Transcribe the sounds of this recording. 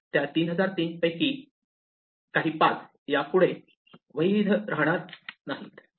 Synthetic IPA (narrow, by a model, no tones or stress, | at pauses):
t̪jat̪iːnɦəd͡zaɾt̪iːnpəjkiː | kaɦiːpat͡s | japuɽe | ʋəjid̪ʱɾaɦɽ̃aɾnaɦiːt̪